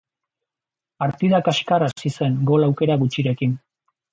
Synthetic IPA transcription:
paɾt̪iðakaʃkarasise̞ŋɡo̞lawke̞ɾaɣut͡ʃiɾe̞kin

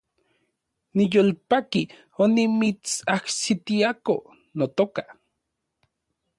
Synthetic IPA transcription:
nijolpaki | onimit͡saksit̪iako | not̪oka

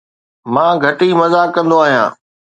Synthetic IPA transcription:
mãːɡʱɐʈimɐzaːkɐ̃nd̪oaːɦijã̰ː

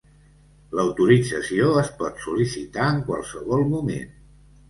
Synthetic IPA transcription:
ləwt̪uɾid͡zəsioəspɔt̪sulisit̪aəŋkwa̰lˠsəβɔlˠmumḛn

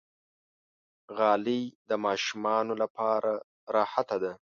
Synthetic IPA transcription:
ɣɑlid̪əmɑʃumɑnolapʰɑɾa | ɾɑːhat̪ad̪a

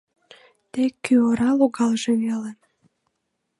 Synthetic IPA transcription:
t̪ekːyoɾɑloɣɑlʒeβele

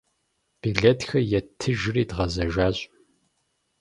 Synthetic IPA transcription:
b̥iɮɐtxɐjɛtʰɨʒɪriːdʁɐzɐʒaːɕʼ

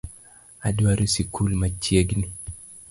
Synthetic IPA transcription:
adwaɾusikʰulmat͡ʃːieɡni

